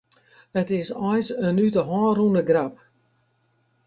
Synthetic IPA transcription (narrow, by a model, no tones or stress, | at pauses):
ətɪsɔjsənytəɦɔːrundəɡrap̚